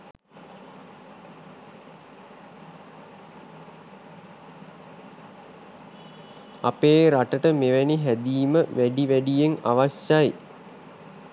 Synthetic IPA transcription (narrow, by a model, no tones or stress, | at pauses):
apeːɾaʈəʈəmeʋæniɦæd̪iːməʋæɖiʋæɖijeŋa̰ʋaɕaj